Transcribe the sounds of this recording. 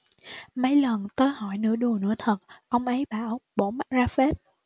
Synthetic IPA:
mə˨˦jlə˨˩nt̪əː˧jhɔ˧˩jnɨ̰˧˥əɗu˨˩ənɨ̰˧˥ət̪ʰə˨˩t̚ʔə˧wŋ͡mʔə˨˦jɓaː˧˩wɓo˧˩ma˦˥t̚zaː˧fe˦˥t̚

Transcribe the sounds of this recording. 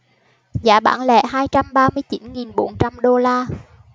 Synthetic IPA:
zaː˧˩ɓa̰ː˧˥˩nlɛ̰˧˨ɦaː˧jt͡ɕa˧mɓaː˧mɨ˧əjt͡ɕi˧˨˦nŋi˨˩nɓo˧˦nt͡ɕa˧mɗo˧laː˧

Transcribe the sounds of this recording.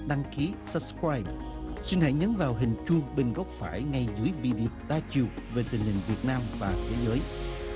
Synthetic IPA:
ɗa˧ŋki˨˦sə˨˦˥p̚skɹaː˧jɓ̚ | si˧nhə̰˧˩jɲə˨˦nvaː˨˩wɦï˨˩ŋ̟t͡ɕʊ˧ŋɓe˨˩nɣɔ˦˥wk͡p̚faː˧˩jŋa˧jzɨ˨˦əjvi˧ɗi˧˨ɗaː˧t͡ɕi˨˩əwve˨˩t̪ï˨˩ŋ̟hï˨˩ŋ̟vi˨˩ət̚naː˧mvaː˨˩t̪ʰe˨˦zəː˨˦j

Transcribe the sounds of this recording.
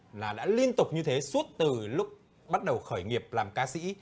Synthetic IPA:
laː˨˩ɗa̰ː˧˥li˧ənt̪ʊ˨˩k͡p̚ɲɨ˧t̪ʰe˨˦su˦˥t̚t̪ɨ˨˩lʊ˦˥k͡p̚ | ɓa˦˥t̚ɗə˨˩wxəː˧˩jŋi˨˩əp̚laː˨˩mkaː˧sḭ˧˥

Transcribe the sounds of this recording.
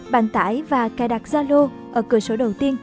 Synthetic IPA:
ɓa̰ː˧˩nt̪a̰ː˧˦jvaː˨˩ka˧˩˦ɗa˨˩k̚zaː˧lo˧ | ʔəː˧˩kɨ˨˧˩əso˧˦ɗə˨˩wt̪i˧ən

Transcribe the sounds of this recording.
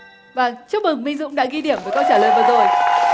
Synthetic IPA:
vaː˨˩t͡ɕɨ˦˥ək̚mɨ˨˩ŋmï˧ŋ̟zʊ̰˧˥wŋ͡mɗa̰ː˧˥ɣi˧ɗi˧˩əmvəː˨˩jkɔ˨˧˦t͡ɕaː˧˩ləː˨˩jvaː˨˩zo˨˩j

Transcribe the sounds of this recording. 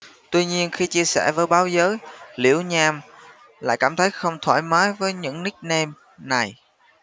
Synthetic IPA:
t̪wi˧ɲi˧ənxi˧t͡ɕi˧əsɛ̰˧˩vəː˨˦jɓaː˨˦wzəː˨˦jlḭ˧˩əwɲaː˧m | la̰ː˧˨jkaː˧˩mt̪ʰə˨˦jxə˧wŋ͡mt̪ʰwa̰ː˧˩jmaː˨˦jvəː˨˦jɲɨ̰˧˥ŋnï˦˥k̚nɛ˧m | na˨˩j

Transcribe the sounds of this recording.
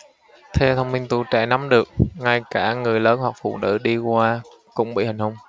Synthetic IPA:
t̪ʰɛ˧wt̪ʰə˧wŋ͡mmï˧ŋ̟t̪u˧˩t͡ɕa̰ː˧˩na˨˦mɗɨ˨˩ək̚ŋa˧jkaː˧˩ŋɨ˨˩əjləː˨˦nɦwa˨˩k̚fṵ˧˨nɨ̰˧˥ɗi˧kwaː˧ | kʊ̰˧˥ŋ͡mɓḭ˧˨˩hï˨˩ŋ̟hə˧wŋ͡m

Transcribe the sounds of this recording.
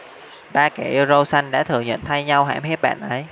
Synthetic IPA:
ɓaː˧kɛ̰˨˧˩ʔi˧wzo˧wsa˧jŋɗa̰ː˧˥t̪ʰɨ˨˧˩əŋɲə̰˧˨nt̪ʰa˧jɲa˧wɦa̰ː˧˩mhe˦˥p̚ɓa̰ː˧˨nʔə˨˦j

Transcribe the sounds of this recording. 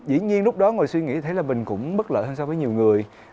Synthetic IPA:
zḭ˧˥ɲi˧ənlʊ˦˥k͡p̚ɗɔ˨˦ŋo˨˩jswi˧ŋḭ˧˥t̪ʰə˨˦jlaː˨˩mï˨˩ŋ̟kʊ̰˧˥ŋ͡mɓə˦˥t̚lə̰ː˧˨həː˧nsa˧vːjɲi˨˩wŋɨ˨˩əj

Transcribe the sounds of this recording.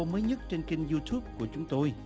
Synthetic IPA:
o˧məː˨˦jɲə˦˥t̚t͡ɕe˧nkï˧ŋ̟zu˧t̪ʰu˦˥p̚ku˧˩ət͡ɕʊ˨˦ŋ͡mt̪o˧j

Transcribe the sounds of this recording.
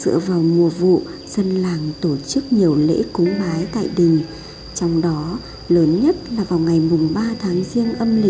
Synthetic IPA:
zɨ̰˧˨əvaː˨˩wmu˨˩əvṵ˧˨zə˧nlaː˨˩ŋt̪o˧˩t͡ɕɨ˦˥k̚ɲi˨˩əwlḛ˧˥kʊ˨˦ŋ͡mɓaː˨˦jt̪a̰ː˧˨jɗï˨˩ŋ̟ | t͡ɕɔ˧wŋ͡mɗɔ˨˦ | ləː˨˦nɲə˦˥t̚laː˨˩vaː˨˩wŋa˨˩jmʊ˨˩ŋ͡mɓaː˧t̪ʰaː˨˦ŋzi˧ənʔə˧mlï˨˩

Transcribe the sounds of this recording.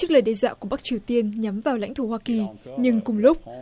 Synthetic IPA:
ɨ˦˥k̚ləː˨˩jɗɛ˧za̰ː˧˨ku˧˩əɓa˦˥k̚t͡ɕi˨˩əwt̪i˧ənɲa˨˦mvaː˨˩wla̰˧˥jŋt̪ʰo˧˩hwaː˧ki˨˩ɲɨ˧ŋkʊ˨˩ŋ͡mlʊ˦˥k͡p̚

